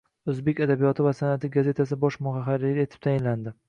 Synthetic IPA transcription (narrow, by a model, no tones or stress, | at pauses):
ozbe̞kʲad̪abijɒt̪ʰɪvasanat̪ɪɡaze̞t̪ʰas̬ɪbɒʃmʊɦaɦaɾɪɡʲae̞t̪ʰɪ̥p̚t̪ʰajɪnland̪ɪ